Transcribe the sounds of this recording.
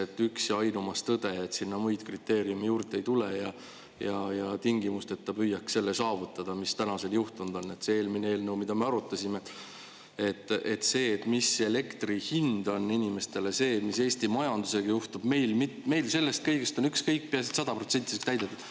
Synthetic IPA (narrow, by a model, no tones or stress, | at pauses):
et̪ːˑyksjɑjnumɑst̪ɤd̪̥e̞et̪sinːɑmujd̪̥krit̪ːˑe̞ːɾiumijuːrt̪ːe̞jt̪ulejɑ | jɑjɑt̪iŋɡimust̪e̞t̪ːɑpyjːɑkse̞lːesɑːvut̪ˑːɑd̪̥ɑmist̪ænɑse̞ljuht̪und̪̥o̞nːe̞t̪se̞eːlmineeːlnewmid̪ɑme̞ɑɾut̪ˑːɑsʲime̞ | e̞t̪ːˑet̪se̞ːt̪ːˑmise̞le̞kt̪rihind̪o̞nːinime̞st̪e̞le̞se̞ːmise̞ːst̪imɑjɑnd̪use̞ɡ̥ɑjuht̪ub̥me̞jlmit̪ːme̞jlse̞lːe̞st̪̚kɤjɡ̥est̪onykskɤjk̚ːpeɑsit̪sɑd̪ɑpro̞t̪se̞nt̪ʲːˑi̥sekt̪æjd̪̥et̪ːud̪̥